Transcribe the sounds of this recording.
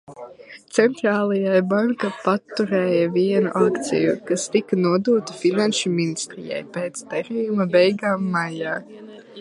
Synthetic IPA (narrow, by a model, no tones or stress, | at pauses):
t̪sɛnt̪ɾaːlˠajabaŋkapat̪ːuɾɛːjɐviɛnṵʔakt̪sʲḭjukast̪ikɐnuɔd̪uːɔt̪i̥finanʃuminist̪ɾijɛ̰jpeːt̪st̪ɛɾijumɐbɛjɡaːmːajaː